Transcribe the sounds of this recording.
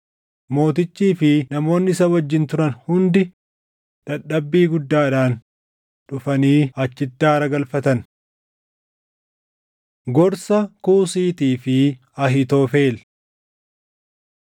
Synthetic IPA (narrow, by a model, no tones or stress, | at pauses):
mo̞ːt̪ɪt͡ʃːiːfɪnɐmo̞ːnːɪɪsɐwɐd͡ʒːɪnt̪ʊɾɐnhʊnd̪ɪ | ᶑɐɗːɐbːiːɡʊd̪ːaːᶑaːn | ᶑʊfɐniːɐt͡ʃːɪt̪ːaːɾɐɡɐlfɐt̪ɐn | ɡɔɾsɐkuːsiːt̪iːfɪ | ɐɦɪt̪o̞ːfeːl